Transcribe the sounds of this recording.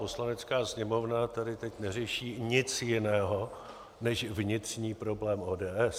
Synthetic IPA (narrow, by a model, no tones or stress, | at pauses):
oslanɛt͡skaːsɲɛmo̞vnat̪adɪt̪ɛcnɛr̝ɛʃiːɲɪt͡sjɪnɛːɦo̞ | nɛʃvɲɪt̪r̝̥ɲiːpɾo̞blɛːmʔoːdɛːʔɛs